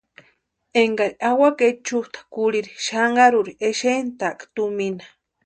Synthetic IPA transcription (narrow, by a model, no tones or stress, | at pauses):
eŋɡaɾiawaket͡ʃuht̪ḁkuɾiɾiʃaŋɡaɾuɾieʃent̪akt̪uminḁ